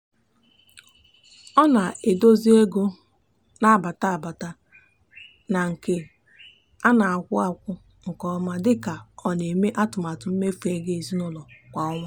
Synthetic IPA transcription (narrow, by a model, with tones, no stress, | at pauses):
ɔ˦na˨e˨do˦zi˦e˦ɡo˦ | na˦a˨ba˨ta˦a˨ba˨ta˦ | na˨ŋ̩˨ke˦ | a˦na˨a˨kʷʊ˦a˨kʷʊ˦ | ŋ̩˨kɔ˦ɔ˦ma˦dɪ˦ka˨ɔ˨ne˨me˦ʔa˦tʊ˨m˨a˨tʊ˨˦m̩˦me˦fe˦ɡe˦e˨zi˦nɔ˦lɔ˨kʷa˨ɔ˦ŋʷa˦